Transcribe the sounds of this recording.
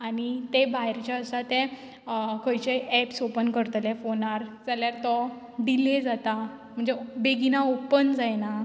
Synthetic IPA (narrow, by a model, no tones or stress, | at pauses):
añit̪ebaɦjɾt͡ɕjaəsat̪ɛ̃ | kʰəjt͡ɕeɛpsopənkəɾt̪lefonaɾd͡zaljaɾt̪ɔ | ɖiled͡zat̪a | m̤əɳd͡zebeɡinaopənd͡zajna